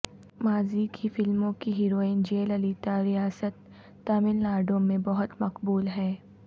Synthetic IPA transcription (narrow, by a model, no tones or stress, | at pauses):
maːzikʰifɪlmõkiɦiːɾoːɪnd͡ʒeːlɐliːt̪aɾijaːsət̪ː | aːmɪnlaːɾɖõmẽbɐɦʊt̪mɐqbuːlɦɛː